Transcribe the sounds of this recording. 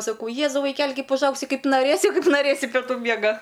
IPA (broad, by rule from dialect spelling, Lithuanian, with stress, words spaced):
sɐˈkɐʊ ˈjeːzɐʊ ʋɐɪˈkʲæːlʲɪ ˈkɐɪp ʊʒˈɐʊksʲɪ ˈkɐɪp nɐˈrʲeːsʲɪ ˈkɐɪp nɐˈrʲeːsʲɪ pʲɛˈtuː ˈmʲiɛɡɐ